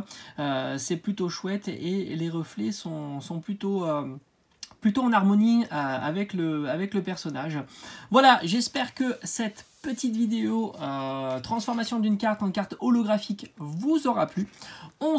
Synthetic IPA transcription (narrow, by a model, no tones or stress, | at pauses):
øsɛplyt̪oʃwɛt̪eleʁəflɛsɔ̃sɔ̃plyt̪oø | plyt̪oɑ̃naʁmɔniøa̰vɛkləavɛkləpɛʁsɔnaʒvwalaʒɛspɛʁkəsɛt̪pət̪it̪vid̪eoøt̪χɑ̃sfɔʁmasjɔ̃d̪ynkaʁt̪ɑ̃kaʁt̪ɔlɔɡʁafikvuzɔʁaplyɔ̃